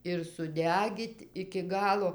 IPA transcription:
ɪr sʊˈdʲæːɡʲiːtʲ ɪkʲɪ ˈɡɑːlˠoː

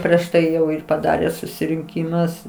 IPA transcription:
pʲrʲiɛʃ ˈtɐɪ ˈjɛʊ ɪr pɐˈdɑːrʲeː sʊsʲɪrʲɪŋʲˈkʲiːmʊs

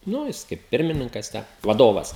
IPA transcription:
ˈnʊ jɪs ˈkɐɪp ˈpʲɪrʲmʲɪnʲɪŋkɐs ˈtʲæː ʋɐˈdoːʋɐs

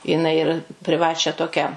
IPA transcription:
jɪˈnɐɪ ɪr pʲrʲɪˈʋɑːt͡ʃʲæː ˈtoːkʲæː

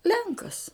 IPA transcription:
ˈlʲɛŋkɐs

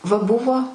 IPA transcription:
ʋɐ ˈbʊʋoː

